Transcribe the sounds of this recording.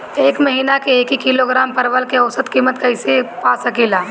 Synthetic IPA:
eːkmɐɦiːnakeeːkikiloɡɾaːmpɐɾʋəlkeɔʊsət̪kiːmət̪kɐɪsepaːsɐkeːlaː

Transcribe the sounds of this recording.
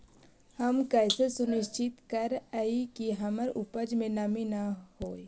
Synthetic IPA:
həmkɛːsesʊnɪʃt͡ʃɪt̪kəɾaikiɦɐməɾʊpəd͡ʒmẽnɐminahoːe

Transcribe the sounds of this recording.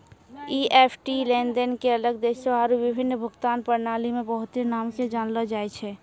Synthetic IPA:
iʔepʰʈilend̪ənkeələɡ̚d̪eːʃeɦaːɾuʋɪbʱɪnːbʱʊɡt̪aːnpəɾnaːlimẽbəɦʊt̪enaːmked͡ʒaːnlɔd͡ʒaːɛt͡ʃʰɛ

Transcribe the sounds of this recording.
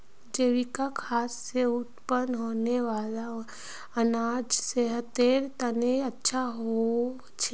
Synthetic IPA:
d͡ʒeʋikakʰaːsːeʊt̪pənɦoːneʋaːla | ɐnaːd͡ʒseɦət̪eːɾt̪əneətːʃʰaɦo | t͡ʃʰe

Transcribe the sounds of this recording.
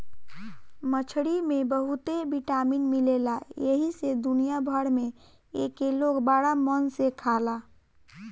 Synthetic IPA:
mət͡ʃʰɽimebəɦut̪ebiʈaminmilelajeɦised̪unijabʱəɽme | ekelokbaɽamənsekʰala

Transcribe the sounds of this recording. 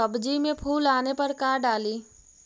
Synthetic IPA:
əbd͡ʒimẽpʰuːlaːnepɐɾkaːɾɖaːliː

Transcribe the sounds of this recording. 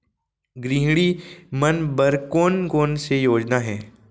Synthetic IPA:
ɡɾiɦɽimənbəɾkoːnkoːnsejoːd͡ʒnaɦɛː

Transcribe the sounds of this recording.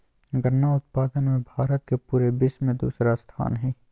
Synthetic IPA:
ɡəɾnaʊt̪̚paːd̪ənmẽbʱaːɾət̪̚kepuːɾebɪʃmẽd̪ṵːsɾast̪ʰa̰ːnɦɛː

